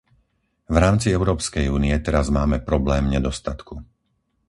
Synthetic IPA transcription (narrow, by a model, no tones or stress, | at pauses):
vɾaːmt͡siɛʊɾɔːpskɛjuːniɛt̪ɛɾazmaːmɛpɾɔblɛːmɲɛd̪ɔst̪at̪ku